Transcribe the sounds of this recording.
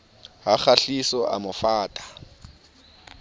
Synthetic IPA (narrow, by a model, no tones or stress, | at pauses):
ɦak͡xaɬisɔʔa̰mʊfaːtʼḁ